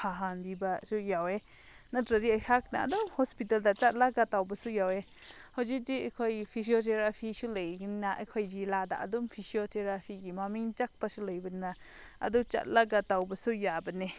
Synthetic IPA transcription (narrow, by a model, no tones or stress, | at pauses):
pʰaɦandibasujawe | natɾɐdiajkʰak̚na̰ːdumhɔspit̬aldat͡ʃat̚laɡatawbɐsujawe | hawzik̚diajkʰɔjpʰis̬iot̬ʰeɾapʰisulejɡinnaʔɐ̰jkʰɔjzilada̰ʔɐ̰dumpʰisiotʰeɾapʰiɡimamiŋt͡ʃak̚pasulajbɐna | ɐ̰dut͡ʃa̰t̚laɡatawbɐsujabɐne